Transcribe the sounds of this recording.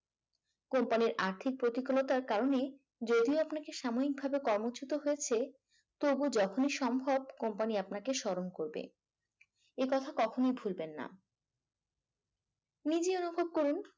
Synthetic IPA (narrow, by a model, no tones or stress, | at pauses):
kompaniɾaɾt̪ʰik̚pɾot̪ikolot̪aɾkaɾone | d͡ʑod̪ioapnakeʃamonik̚bʱabekɔɾmot͡ɕʰut̪oɦoet͡ɕʰe | t̪obud͡ʑɔkʰoniʃɔmbʱɔb̚kompaniapnakeʃɔɾoŋkoɾbḛ | ekɔt̪ʰakɔkʰonojbʱulbenːa̰ | nid͡ʑeonubʱob̚koɾun